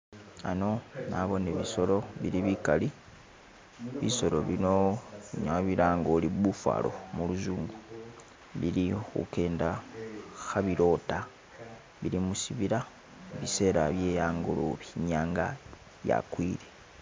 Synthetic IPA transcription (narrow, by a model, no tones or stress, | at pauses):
ano̞naβo̞neβiso̞lo̞βiɾiβikali | βiso̞lo̞βino̞ɲaβiɾaːŋɡoliβufwa̰ːlo̞̰muluzuːŋɡu | βiɾixṵke̞ːnda | xaβiɾo̞ta | βiɾimusiβiɾa | βise̞ːɾaβje̞ːjaːŋɡolo̰βiɲaːŋɡa | ja̰kwiːɾe